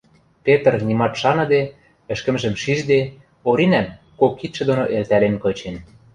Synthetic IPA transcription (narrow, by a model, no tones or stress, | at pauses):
pet̪ə̆rnimɑt̪ʃɑnɤ̆d̪e | ɘ̆ʃkə̆mʒə̆mʃiʒd̪e | oɾinæm | kokːit̪ʃɘ̆d̪onoʔelt̪ælenkɤ̆t͡ɕen